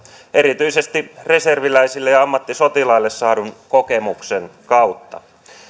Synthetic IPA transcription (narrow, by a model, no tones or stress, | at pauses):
ʔe̞ɾit̪yisest̪ire̞serʋilæisilːejɑɑmːɑt̪ːisot̪ilɑilːesːɑːdunko̞kemukseŋkɑut̪ːɑ̰